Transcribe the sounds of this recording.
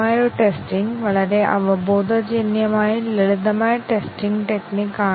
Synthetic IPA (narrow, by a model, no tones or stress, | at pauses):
aːjoʈesʈiŋɡʋɐɭɐɾe̞ʔɐ̰ʋɐboːd̪ʱɐd͡ʑinjɐmaːjileɭud̪ɐmaːjɐʈesʈiŋɡɨʈeknikːaː